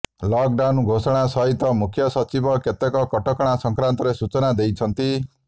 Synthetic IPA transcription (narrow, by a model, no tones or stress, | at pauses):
lɔk̚ɖanɡʱosɔɽ̃asɔɦit̪ɔmukʰjɔsɔt͡ʃibɔket̪ekɔkɔʈɔkɔɽ̃asɔŋkɾant̪ɔɾesut͡ʃɔnad̪ejt͡ʃʰɔnt̪i